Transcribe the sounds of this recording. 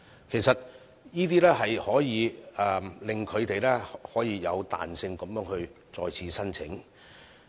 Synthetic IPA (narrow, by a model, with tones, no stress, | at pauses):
kʰe˨˩sɐ˨t̚ | jiː˥t̪̬iː˥lɛː˥hɐ˨jhɔː˨˥jiː˨˧ɛ˨˧lɪ˨ŋkʰɵ˨˧ɥt̪e˨jlɛː˥hɔː˨˥jiː˨˧jɐ˨˧wt̪a̰ː˨nsɪ˧ŋkɔ˨˥mjœː˨˥ŋhɵ˧ɥ | t͡sɔː˨jt͡sʰiː˨˥sɐ˥nt͡sʰɪ̰˨˥ŋ